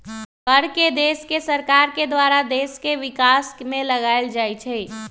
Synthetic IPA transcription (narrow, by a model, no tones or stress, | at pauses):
kəɾked̪eskesəɾkaɾked̪waɾad̪eskeʋikasmẽləɡaɪld͡ʒajt͡ʃʰɛ